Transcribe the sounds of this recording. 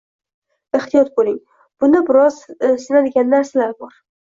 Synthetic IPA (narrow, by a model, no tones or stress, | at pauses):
ɪχt̪ʰijɒt̪̚bolɪŋ | b̥ʊnɪbɪɾɒzsɪnad̪ɪɡʲanːaɾsɪlaɾbɒɾ